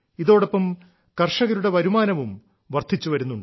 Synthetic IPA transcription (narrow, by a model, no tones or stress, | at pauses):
iðo̞ːɽopːɐm | kɐrʂɐɣɐɾuɽe̞ʋɐɾumaːnɐʋum | ʋɐrt̪ʰit͡ɕːuʋɐɾunːuɳɖɨ